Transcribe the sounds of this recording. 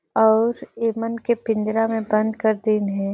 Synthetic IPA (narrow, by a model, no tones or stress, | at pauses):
ɔːɾeːmənkepɪ̃nd̪ɾamẽbə̃nd̪kɐɾd̪iːnɦɛ̃ː